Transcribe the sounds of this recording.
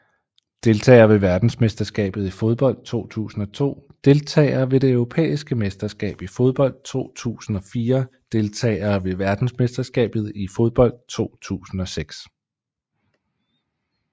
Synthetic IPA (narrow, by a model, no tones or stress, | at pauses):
d̥e̝lt͡sʰɛ̰ːɐʋe̝ʋæɐd̥n̩sme̝sd̥ɐsɡ̥ɛ̰ːb̥ð̞̩ˠifoð̞ˠb̥ɒ̽l̰d̥̚t͡sʰo̝̰ːt͡sʰṵːsn̩ɒ̽t͡sʰo̝̰ːd̥e̝lt͡sʰɛ̰ːɪɐːʋe̝d̥e̝œʊʁo̝pʰḛːisɡ̥əmesd̥ɐsɡ̥ɛ̰ːb̥ifoð̞ˠb̥ɒ̽l̰d̥̚t͡sʰo̝̰ːt͡sʰṵːsn̩ɒ̽fiːɐd̥e̝lt͡sʰɛ̰ːɐːʋe̝ʋæɐd̥n̩sme̝sd̥ɐsɡ̥ɛ̰ːb̥ð̞̩ˠifo̽ðˠb̥ɒ̽l̰d̥̚t͡sʰo̝̰ːt͡sʰṵːsn̩ɒ̽seɡ̥s